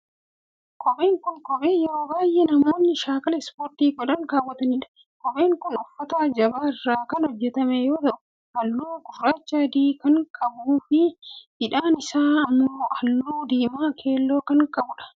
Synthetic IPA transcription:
kʰɔbe̞ːŋkʊnkɔbeːjɛɾoːbaːjʔɛnɐmo̞ːnːɪʃaːkɐlɛspoːɾt̪iːɡɔᶑɐŋkaːwːɐt̪ɐnɪᶑɐ̥ | kɔbe̞ːŋkʊnʊfːɐt̪ad͡ʒɐbaːɪrːaːkɐnhɔd͡ʒːɛt̪ɐmɛjo̞ːt̪ɐʔʊ | hɐlːuːɡʊfɾaːt͡ʃːaːd̪iːkɐŋkʼɐbuːfɪhɪᶑaːnɪsaːɐmːoːɐlːuːd̪iːmaːkʰe̞ːlːoːkɐŋkʼɐbʊᶑɐ̥

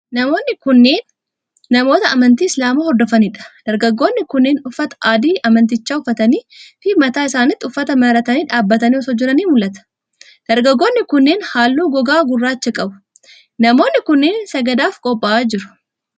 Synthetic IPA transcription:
nɐmo̞ːnːɪkʊnːeːnː | ɐmo̞ːt̪ɐɐmɐnt̪iːɪslaːmaːhɔɾd̪ɔfɐnɪᶑɐ̥d̪̥ɐɾɡɐɡːo̞ːnːɪkʊnːɪːnʊfːɐt̪ɐ̥ʔaːd̪iːʔɐmɐnt̪ɪt͡ʃːaːʊfːɐt̪ɐniːfɪmɐt̪aːɪsaːnɪt̪ːɪʊfːɐt̪ɐmɐɾɐt̪ɐniːᶑaːbːɐt̪ɐniːɔsɔd͡ʒːɪɾɐniːmʊlʔɐt̪ɐ̥ | d̪̥ɐɾɡɐɡːo̞ːnːɪkʊnːeːnhaːlːuːɡɔɡaːɡʊrːaːt͡ʃːɐkʼɐbʊ̥ | nɐmo̞ːnːɪkʊnːeːnsɐɡɐd̪aːfkʼɔpʼːɐʔaːd͡ʒɪɾʊ̥

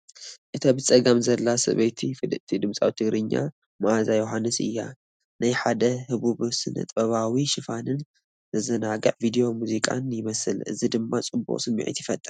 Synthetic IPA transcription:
ʔɨt̪ʰabɨt͡sʼɐɡamzɐlːasɐ̰βɐjt̪ʰifɨd̪ɨʔt̪ʰid̪ɨmsʼa̰wit̪ʰɨɡɾɨɲːa̰ | maʔazajoɦanːɨsɨ̰jːa | najħad̪ɐhɨβuβsɨnɐ̰t̪ʼbɐβawiʃɨfanɨn | zɨzɨnaɡɐ̰ʕvid̪ijo̞muzikʼa̰njɪmɐsɨlɨ̰zid̪ɨmːat͡sʼɨbṵʔʼsɨmːḭʕḭt̪jɪfɐt̪ʼɨɾ

